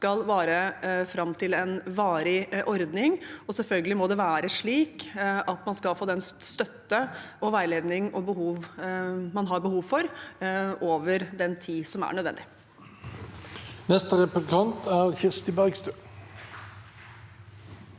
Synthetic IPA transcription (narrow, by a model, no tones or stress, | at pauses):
skɑlʋæːɾəfɾɑmt̪ʰɪlɛnʋɑːɾɪʔɔɾd̪nɪŋɔsɛlfœlɡəlɪmɔd̪ɛʋæːɾəʂɭiːkɑt̪mɑnskɑlfoːd̪ɛnst̪œt̪ːə | ɔʋæɪleːd̪nɪŋɔbəɦuːʋmɑnɦɑɾbəhuːʋfɔɾ | oːʋəɾd̪ɛnt̪ʰiːsɔmæ̰ɳœd̪ʋɛ̰nd̪ɪ | nɛst̪əʁɛpək̪ʰɑnt̪ʰæʁçɪʁst̪əbæʁɡst̪øː